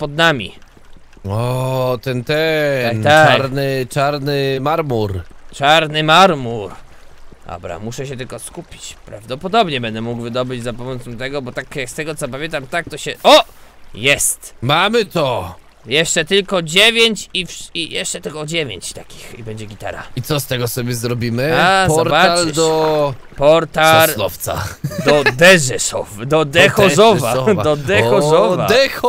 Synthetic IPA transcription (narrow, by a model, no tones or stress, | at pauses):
pɔd̪namʲḭ | ɔt̪ɛnt̪ɛakt̪aaɾnɘt͡ʂaɾnɘmaɾmuɾt͡ʂaɾnɘmaɾmuɾ | ɔ̰bɾa̰muʂɛɕɛt̪ɘlkɔskupʲi̥t͡ɕpɾa̰vd̪ɔpɔd̪ɔbɲɛbɛnd̪ɛmuɡvɘd̪ɔbɘd͡ʑzapɔmɔt̪sɔmt̪ɛɡɔbɔt̪akjakst̪ɛɡɔt̪sɔp̬amʲjɛnt̪amt̪ak̚t̪ɔɕɛʔɔjɛst̪mamɘt̪ɔ | jɛʂt͡ʂɛt̪ɘlkɔd͡ʑevʲjeɲt͡ɕifijɛʂt͡ʂɛt̪ɘlkɔd͡ʑevʲjḛɲt͡ɕt̪akʲi̥xibɛɲd͡ʑɛɡʲit̪a̰ɾa̰it̪sɔst̪ɛɡɔsɔbʲjɛzɾɔbʲimɘazp̪ɔɾbaald̪ɔpɔɾt̪alɔ̰ft̪sa̰d̪ɔd̪ɛʐɛsɔ̰fd̪ɔd̪ɛxɔzɔvaɔd̪ɛxɔzɔvad̪ɛxɔ